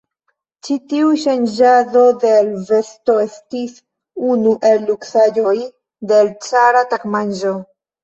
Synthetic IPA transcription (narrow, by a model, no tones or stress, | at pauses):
t͡ʃitiuʃand͡ʒaðo̞d̪elve̞sto̞estis | unuʔe̞lːuksajo̞j | d̪elt͡saɾatakmanʒo